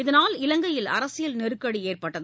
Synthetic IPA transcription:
ɪðɐnaːlɪlɐŋɡɐjɪlɐ̰ɾɐsɪjɐlnɛɾɯkːɐɽieːrpɐʈːɐð

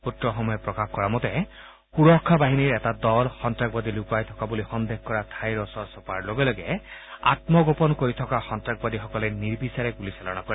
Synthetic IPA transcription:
utɹɔxɔmɔjɔpɹɔkaxkɔɹamɔt̪e | xuɹɔkʰːabaɦiniɹɛtad̪ɔlxɔntɹak̚bad̪ilukuajt̪ʰɔkabulixɔnd̪ehkɔɹat̪ʰajɹɔsɔɹsɔpaɹloɡelɔɡɛa̰t̪mɔɡopɔnkoɹit̪ʰɔkaxɔntɹaɡ̚bɔd̪ixɔkɔlɛniɹbisaɹeɡuliselɔnakɔɾɛ

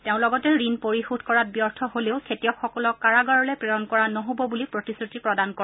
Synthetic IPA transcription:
teʊ̃lɔɡɔtɛɹinpoɹixudʱkɔɹat̚bjɔɹtʰɔɦoleʊkʰetijɔkxɔkɔlɔkaɹaɡaɹɔlɛpɹejɔnkɔɹanɔɦobɔbulipɹotisɹutipɹɔdankɔɹɛ

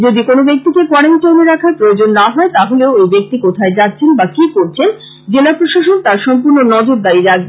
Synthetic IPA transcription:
d͡ʑod̪ikonobek̚t̪ikekɔɾent͡ɕoneɾakʰaɾpɾojod͡ʑonːaɦɔet̪aɦoleoejbek̚t̪ikot̪ʰaed͡ʑatːɕʰenbakikoɾt͡ɕʰen | d͡ʑelapɾoʃaʃont̪aɾʃɔmpuɾnonɔd͡ʑoɾd̪aɾiɾaɡ̚be

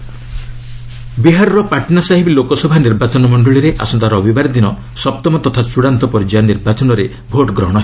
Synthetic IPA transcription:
biɦaɾɔɾɔpaʈnasaɦibilokɔsɔbʱaniɾbat͡ʃɔnɔmɔɳɖɔɭiɾeʔa̰sɔnt̪aɾɔbibaɾd̪inɔ | sɔp̚t̪ɔmɔt̪ɔt̪ʰasuɽant̪ɔpɔɾid͡ʒaniɾbat͡ʃɔnɔɾe | bʱoʈɡɾɔɽ̃ɔɦe

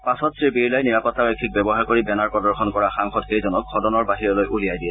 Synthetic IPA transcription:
pasɔtsɹipiɹlajniɹapɔtːabɛkʰːik̚bɛbɔɦaɹkoɹibɛnaɹpɹɔdɔɹxɔnkɔɹaxaŋxɔtxejzɔnɔkʰɔdɔnɔɹbaɦiɹɔlojʔulijajdiɛ

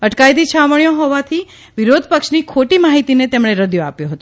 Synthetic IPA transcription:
əʈkajt̪̬it͡ʃʰaməɳjoɦɔʋat̪ʰi | ʋiɾod̪ʱpəkʃnikʰoʈimaɦit̪inet̪emɽ̃eɾəd̪joapjoɦət̪õ

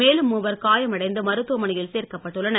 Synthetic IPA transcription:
eːlɯmːuʋɐɾkaːjɐmɐɽɐɪnd̪ɯmɐɾɯt̪ːɯʋɐmɐɳɪjɪlseːrkɐpːɐʈːɯɭːɐnɐ

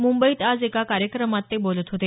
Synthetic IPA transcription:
mumbəiːt̪ad͡zekakaɾjəkɾəmat̪ːebolət̪ɦot̪e

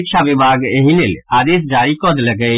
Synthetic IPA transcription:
kʃʰaʋɪbʱaːɡeɦĩlelaːd̪eːs̬d͡ʒaːɾikɔd̪lɐɡəi

